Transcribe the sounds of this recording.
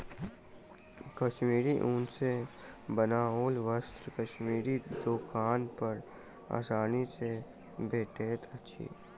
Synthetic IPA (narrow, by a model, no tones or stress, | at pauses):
kəʃmiːɾiʔũːnsebənaːɦoːlʋəst̪ɾkəʃmiːɾid̪oːkaːnpəɾ | a̰ːsaːnise | beːʈeːt̪ʰətːʃʰḭː